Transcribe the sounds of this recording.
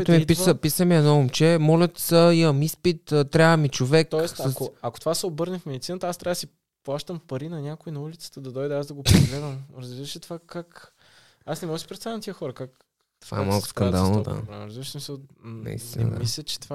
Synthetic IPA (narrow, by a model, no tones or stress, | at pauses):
t̪mipisəpisəmiɛnɔomt͡ʃɛmɔlʲət̪səimɐmispit̪ːt̪ːɾʲavəmit͡ʃovɛkt̪ɔɛsoɐkot̪ovasɛobɤɾnəfmɛd̪it̪sinət̪ɐast̪ɾavəd̪si | plˠaʃt̪əmpɐɾinɐnʲakʊinɐulit̪sə̥t̪əd̪ɐd̪ɔjd̪ɛazd̪ɐɡopeɡlɛd̪vɐmɾɐzbiɾəʃɛt̪ovakak | asnɛmɔɣəsi̥pɾɛt̪st̪avʲɛnt̪iəxɔɾəkak | t̪ova̰ɛmalˠkʊ̥skɐnd̪alˠnod̪a̰aɾɐzbiɾəʃismisəlˠnɛ̰ḭst̪ḭnə̰d̪̰mislʲət͡ʃɛ̥t̪ova